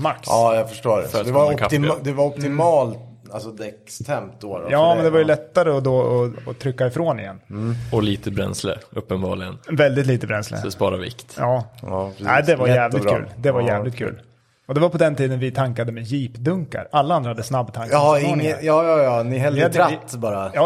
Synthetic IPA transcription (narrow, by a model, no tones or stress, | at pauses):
maksɑːjɑfœʂʈoːɾɛ̰fd̪ɛvaɔk̪ʰɪd̪ɛvaɾɔp̚t̪ɪmɑːlt̪ | alsɔd̪ɛkst̪ʰɛmt̪̚d̪oɔ̰jɑːmɛnd̪ɛvaɾjʏlɛt̪ːaɾəɔd̪oɔɔt̪ʰɾʏkːaɪfɾoːnɪ̰jɛ̰nːɔliːt̪əbɾɛ̰nslə̰ɵpːənbɑ̰ːɭɪɡənvɛld̪ɪt̪liːt̪əbɾɛnslə̰spɑːɾavɪ̰kt̪jɑːɑːɾæ̰ɪd̪ɛvaɾjæːvlɪt̪kːʉ̰ːld̪ɛvaɾjæːvlɪt̪kʰʉ̰ːl | ɔd̪ɛvaɾpɔd̪ɛnt̪ʰiːd̪ənvɪt̪ʰaŋkad̪əmɛjiːpd̪ɵŋka̰ɾalːaand̪ɾahad̪ːəsnabːt̪ʰaŋkɪnŋːəjɑːjɑjɑːnɪɦɛlːad̪ɾat̪ːbɑːɾajɑː